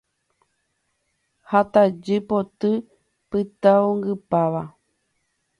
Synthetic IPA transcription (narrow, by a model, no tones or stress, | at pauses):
hat̪ad͡ʒɨpot̪ɨ | pɨt̪aoŋɡɨpaʋa